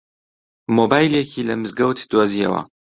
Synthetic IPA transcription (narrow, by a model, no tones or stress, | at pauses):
mobaːjljekʰiːlɐmɨzɡɐwt̪d̪woːzijɐ̰wɐ̰